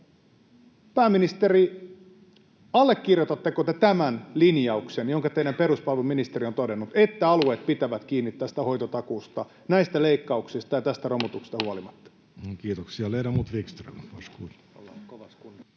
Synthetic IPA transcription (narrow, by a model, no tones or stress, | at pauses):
pæːmːinist̪eɾi | ɑlːekːirjot̪ɑt̪ːekot̪et̪æmænlinjɑuksenjoŋkɑt̪einːæmpeɾuspɑlʋelminist̪eɾio̞nt̪odenːut̪et̪ːæɑlueːt̪̚pit̪æʋæt̪k̟iːnːit̪ːæst̪æho̞jt̪ot̪ɑkust̪ɑ | næist̪æleikːɑuksist̪ɑjɑt̪æst̪æro̞mut̪ukse̥st̪ɑhuolimɑt̪ːɑ̥ | kiːt̪oksiɑleinɑmut̪ʋikst̪rḭlposkut | o̰ɑkoʋɑskunːɑ